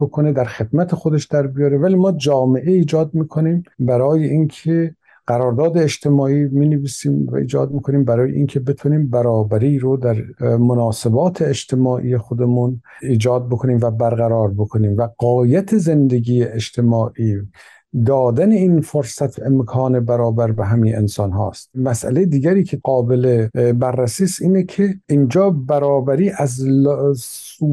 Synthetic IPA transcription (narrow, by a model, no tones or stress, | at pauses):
bokʰone̞d̪æɾxe̞d̪mæt̪ʰe̞xod̪eʃd̪æɾbijɒːɾevæliːmɒːd͡ʒɒːme̞ʔeiːd͡ʒɒːd̪̚miːkʰo̞niːmbæɾɒːjeʔinkʰe | ɢ̥æɾɒːɾd̪ɒːd̪e̞ːd͡ʒt̪ʰe̞mɒːʔiːmineviːsiːmvæ̰ḭːd͡ʒɒːd̪̚miːkʰoniːmbæɾɒːjḛʔiŋkʰe̞be̞t̪ʰuːniːmbæɾɒːbæɾiːɾod̪æɾmonɒːse̞bɒːt̪ʰeːd͡ʒt̪ʰe̞mɒːʔḭːjexod̪e̞muniːd͡ʒɒːd̪̚bo̞kʰo̞niːmvæbæɾɣæɾɒːɾbokʰoniːmvæɣɒːjæt̪ʰezend̪eɡiːjeʔeʃt̪ʰe̞mɒːʔiː | d̪ɒːd̪æne̞iːnfoɾsæt̪ʰemkʰɒːnebæɾɒːbæɾbeɦæminḛnsɒːnɦɒ̰ːst̪mæsʔæ̰lejed̪iːɡæɾiːcʰeɡɒːbelebærːæsiːst̪iːnekʰeiːnd͡ʒɒːbæɾɒːbæɾiːʔæzl | suː